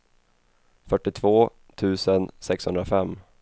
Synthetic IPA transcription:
fœʈːɪt̪ʰvoː | t̪ʰʉ̟ːsənsɛkshɵnd̪ɾafɛmː

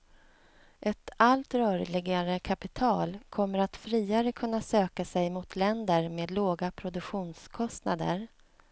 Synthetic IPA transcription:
ʔɛt̪alt̪ɾœːɾlɪɡaɾəkʰapɪt̪ʰɑːlkʰɔmːəɾat̪fɾiːaɾəkʰɵnːasøːkasɛjmʊt̪ʰlɛnd̪əɾmeːd̪loːɡapʰɾʊd̪ɵkɧuːnskʰɔst̪nad̪ə̰ɾ

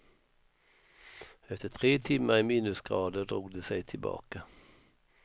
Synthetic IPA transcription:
ɛft̪ət̪ʰʁeːt̪ʰɪməæɪmiːnʉsɡʁɑːd̪əd̪ʁuːɡd̪əsæɪt̪ʰɪlbɑ̰ːkə

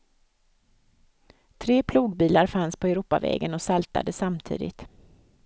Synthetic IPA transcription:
t̪ʰɾeːpʰluːɡbiːlaɾfanspʰɔɛɾuːpa̰vɛ̰ːɡənɔsalt̪a̰d̪əsamt̪ʰḭːd̪ɪ̰t̪

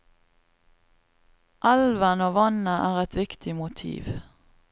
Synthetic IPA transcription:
ʔɑlʋənoːʋɑnəʔæːʁɛt̪ʰʋɪkt̪ʰɪmʊt̪ʰḭːʋ

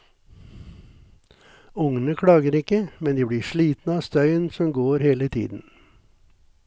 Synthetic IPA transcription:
ʊŋənəkʰɽɑːɡəɾɪkəmɛnd̪iːbɽiːʃɭiːt̪n̩əɑːst̪œʏənsɔmɡoːɾheːlət̪ʰḭːd̪n̩

